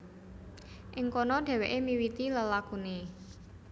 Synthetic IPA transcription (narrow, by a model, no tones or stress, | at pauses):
ʔɪŋkɔnɔɖ̥ɛ̤weʔemiwit̪iləlakune